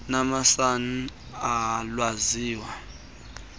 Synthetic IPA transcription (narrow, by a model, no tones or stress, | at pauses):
namasani | alwaziːwa